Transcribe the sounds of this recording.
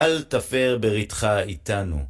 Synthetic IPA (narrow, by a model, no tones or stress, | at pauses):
alt̪afeʁbeʁit̪χait̪anṵ